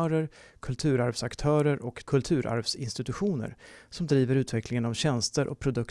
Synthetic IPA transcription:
œːɾəɾ | kʰɵlt̪ʰʉ̟ːɾaɾvsakt̪ʰœːɾəɾʔɔkʰːɵlt̪ʰʉ̟ːɾʔa̰ɾvsɪnst̪ɪt̪ɵɧuːnə̰ɾsɔmd̪ɾiːvəɾʉ̟ːt̪vɛklɪŋənavɕɛnst̪əɾʔɔ̰k̚pʰɾʊd̪ɵk

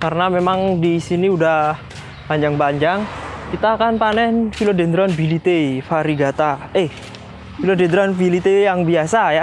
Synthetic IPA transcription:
kaɾənamemaŋdisiniudah | paɲd͡ʒaŋpaɲd͡ʒaŋkit̪aːkanpanɛnfilodend̪ɾɔnbilit̪efaɾiɡat̪aeh | filodend̪ɾɔnfilit̪ejaŋbiasaja

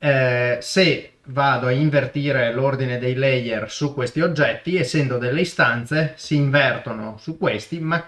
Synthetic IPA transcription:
se | vaːd̪oaiɱvert̪iːɾelord̪ined̪ejlɛjersukwest̪iod͡ʒːɛt̪ːiesːɛnd̪od̪elːeist̪ant̪sesiːɱvɛrt̪ono̰sukːwest̪ima

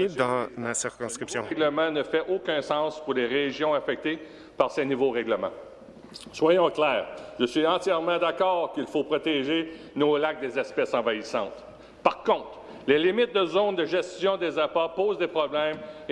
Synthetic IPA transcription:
d̪ɑ̃masiʁkɔ̃skʁipsjɔ̃ɛɡləmɑ̃nəfɛʔokʲœ̃sɑ̃spuʁleʁeʒjɔ̃afɛk̚t̪e | paʁsenuvoʁɛɡləmɑ̰̃ | swajɔ̃klɛːʁʒəsɥiɑ̃t͡sjɛʁmɑ̃d̪akɔːʁkilfopʁɔt̪ɛʒe | nolak̚d̪ezɛspɛsɑ̃vaisɑ̰̃t̪ | paʁkɔ̃t̪ʁ | lelimɪt̪̚d̪əzond̪əʒɛst̪jɔ̃d̪ezapapoːzd̪epʁɔblɛm

